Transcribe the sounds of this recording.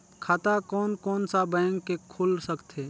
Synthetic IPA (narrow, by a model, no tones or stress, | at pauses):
kʰat̪akɔːnkɔːnsabɛ̃ːŋkːekʰʊlsəkt̪eː